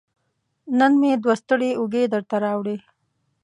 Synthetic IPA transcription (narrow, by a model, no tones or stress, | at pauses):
nənmed̪wast̪əɽeuɡed̪əɾt̪aɾɑwɽe